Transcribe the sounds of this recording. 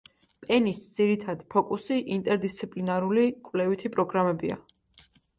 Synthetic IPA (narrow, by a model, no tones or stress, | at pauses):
pʼɛnisd̪z̥iɾit̪ʰad̪pʰɔkʼusiʔint̪ʼɛɾd̪ist̪sʰipʼlinaɾulikʼvlɛvit̪ʰipʼɾɔɡɾamɛbia̰